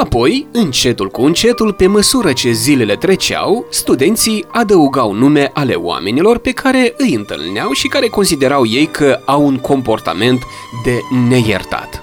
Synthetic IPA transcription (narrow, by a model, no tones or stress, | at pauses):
apo̞jɨnt͡ʃe̞t̪ulkuɨnt͡ʃe̞t̪ulpe̞məsuɾət͡ʃe̞zile̞le̞t̪ɾe̞t͡ʃea̰wst̪ud̪e̞nt̪sijad̪əuɡawnume̞ʔale̞̰w̰a̰me̞nilo̞rpe̞kʰaɾe̞ɨjɨnt̪ɨ̰lneawʃikaɾe̞ko̞nsid̪e̞ɾawje̞jkʰəawuŋkʰo̞mpo̞rt̪a̰me̞nt̪ | d̪e̞ne̞jḛrt̪a̰t̪